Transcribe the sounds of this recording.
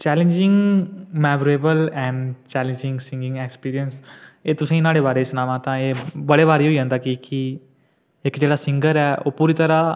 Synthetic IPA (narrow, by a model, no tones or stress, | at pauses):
t͡ʃɛːlẽnd͡ʒɪ̃ŋɡmɛːmɾeːbəlɛ̃ːɳɖt͡ʃɛːlẽɲd͡ʒɪ̃ŋɡsɪ̃ŋɡɪ̃ŋɡekspiːɾijənseːt̪ʊsẽnaːɽeːbaːɾeːɪsnaːʋãːt̪ãːeːbəɽeːβaːɾeoːiɦə̃nd̪aːkiki | ɪkd͡ʒeːɽaːsɪ̃ŋɡəɾɛːʔo̰ːpuːɾit̪əɾaː